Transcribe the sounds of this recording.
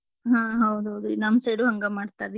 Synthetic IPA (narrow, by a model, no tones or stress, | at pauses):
ɦãːɦɐwd̪uɦɐwd̪unɐmseːɽuɦɐŋɡɐmaːɖt̪aːdi